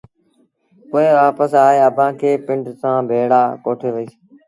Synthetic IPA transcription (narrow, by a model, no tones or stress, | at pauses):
oːeːʋaːpəsaːɦeːəbʱãːkʰeːpɪ̃ɳʈsãːbʱeːɽaːkoːʈʰeːʋəiːs